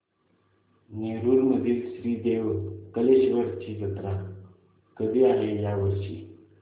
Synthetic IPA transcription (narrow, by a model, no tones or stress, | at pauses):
neɾuɾməd̪ʱilsɾiːd̪ewkəleɕʋəɾt͡ɕid̪ət̪ɾa | kəd̪ʱiaɦejaʋəɾɕi